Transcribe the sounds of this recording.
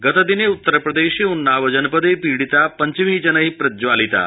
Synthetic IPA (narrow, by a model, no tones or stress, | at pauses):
ɡət̪əd̪ineut̪ːəɾpɾəd̪eɕiunːaʋəd͡ʑənpəd̪epiɽit̪apəɲt͡ɕiʋ̤id͡ʑənəɦipɾəd͡ʑʋalit̪a̰